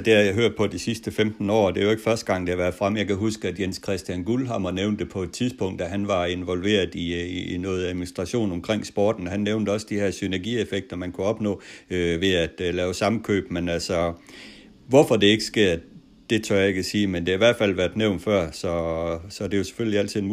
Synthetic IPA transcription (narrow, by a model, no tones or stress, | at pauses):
d̥e̝hɑjɦøɐ̰d̥̚pʰɒ̽d̥isisd̥əfemd̥n̩ɒ̰ːd̥eæjoe̝ɡ̥fɶɐsd̥əɡ̥ɑ̈ŋ̰d̥ehɑʋæɐð̥ˠfʁam̰jɑ̈ɪkʰæɦusɡ̥əæd̥jenskʰʁɛsd̥jænɡ̥ulɦɑ̈mɐneʊnd̥e̝pʰɒ̽e̝d̥̚t͡sʰiðˠsb̥ɔ̽ŋ̰d̥æɦænʋɑ̈e̝nʋɒ̽lʋe̝̰ːɐð̩ˠinɔ̽ːð̞̩ˠæðˠminisd̥ʁɑ̈ɕo̝̰ːnɒ̽mkʰʁeŋ̰sb̥ɒ̰ːd̥n̩ɦænːeʊnd̥əɒ̽səd̥iheɐsynæɐɡ̥ḭefeɡ̥̚d̥ɐmænkʰuɒ̽b̥nɔ̰̽ːøʋe̝æd̥lɛːʊsɑ̈məkʰø̰ːb̥menælsɒ | ʋɒfɒ̽de̝e̝ɡ̥əsɡ̥e̝̰ɐ̰ | d̥e̝t͡sʰø̰ɐ̰jɑeɡkʰæsiːmend̥e̝hɑ̈iʋæɐ̰d̥fæl̰ʋæɐd̥neʊnfɶɐ̰sɒ̽sɒ̽d̥e̝jo̝se̥følliæl̰t͡sʰið̩̰ˠen